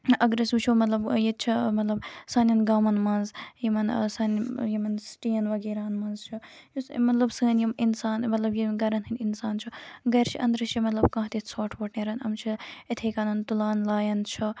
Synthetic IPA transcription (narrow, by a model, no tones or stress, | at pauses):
ʔɐɡɾɐsut͡ʃʰumɐt̪lɐbjet͡ʃʰimɐt̪lɐbsaːnʲɐnɡaːmɐnmɐnzjimɐnsɐnjimɐnsʈiːjɐnʋɐɡeːɾaːnmɐːnzt͡ʃʰijumɐt̪lɐbsəːnjiminsaːnmɐt̪lɐbjiɡɐɾɐnɦinʲinsaːnt͡ʃʰuɡɐjɾt͡ʃʰiʔɐ̰nd̪ɾɐt͡ʃʰimɐt̪lɐbkãːɦt̪itsʰoːʈʰʋɐʈneːɾɐnɐmt͡ʃʰiit̪ʰeːkaːnɐnt̪ulaːnlaːjɐnt͡ʃʰɐ